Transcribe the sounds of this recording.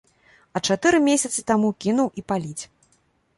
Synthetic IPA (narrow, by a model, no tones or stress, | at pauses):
ɐt͡ʂat̪ɨɾɨmʲesʲɐt̪sɨt̪amukʲinuwʔipalʲit͡sʲ